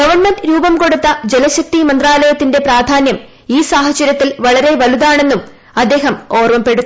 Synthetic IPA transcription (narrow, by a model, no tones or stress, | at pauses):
ɡɐʋɐrɳmenɖɾuːbɐmko̞ɽut̪ːɐd͡ʑe̞lɐɕɐk̚t̪imɐnd̪raːlɐjɐt̪ːinde̞praːd̪ʱaːnjɐm | iːsaːhɐt͡ɕːɐɾjɐt̪ːilʋɐɭɐɾe̞ʋɐluðaːɳe̞nːum | ɐd̪ːe̞ːɦɐmo̞ːrʋɐmpe̞ɽut̪ː